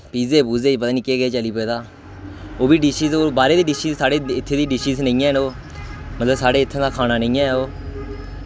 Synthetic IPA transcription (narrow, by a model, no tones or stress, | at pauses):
piːzeːbuːzeːpəd̪aːniːkeːɡəeːt͡ʃəliːpoeːd̪aː | oːbiːɖɪʃiːzoːbaːɾeːd̪eːɖɪʃiːzsaːɽeːɪt̪ʰːeːd̪iːɖɪʃiːznə̃ĩːɛ̃ːɦnoː | mət̪ləbsaːɽeːɪt̪ʰːẽːd̪aːkʰaːnaːnəĩːɛ̃ːoː